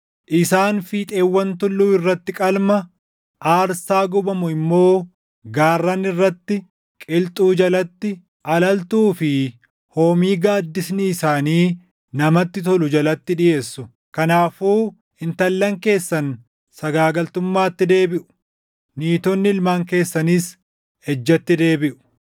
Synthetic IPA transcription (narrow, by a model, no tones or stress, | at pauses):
ʔɪsaːnfiːt̪ʼe̞ːwːɐnt̪ʊlːuːɪrːɐt̪ːɪkʼɐlmɐ | ʔaːɾsaːɡʊbɐmʊɪmːo̞ː | ɡaːrːɐnɪrːɐt̪ːɪ | kʼɪlt̪ʼuːd͡ʒɐlɐt̪ːɪ | ʔɐlɐlt̪uːfɪ | hoːmiːɡaːd̪ːɪsnɪːsaːniː | nɐmɐt̪ːɪt̪ɔlʊd͡ʒɐlɐt̪ːɪᶑɪje̞ːsːʊ | kɐnaːfuː | ɪnt̪ɐlːɐŋke̞ːsːɐn | sɐɡaːɡɐlt̪ʊmːaːt̪ːɪd̪e̞ːbɪʔʊ̥ | niːt̪ɔnːɪɪlmaːŋke̞ːsːɐniːs | hɛd͡ʒːɐt̪ːɪd̪e̞ːbɪʔʊ̥